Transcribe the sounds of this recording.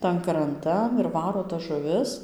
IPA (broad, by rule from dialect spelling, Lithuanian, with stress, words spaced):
ˈtɐn krɐnˈtɐn ɪr ˈʋɑːroː tɐs ʒʊˈʋʲɪs